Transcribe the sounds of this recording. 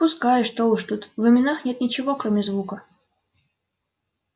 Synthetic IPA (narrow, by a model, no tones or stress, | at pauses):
pʊskajʊʂt̪olˠɨʂt̪ut̪vɨmʲɪnaxnʲet̪nʲɪt͡ɕɪvokɾomʲɪzvukə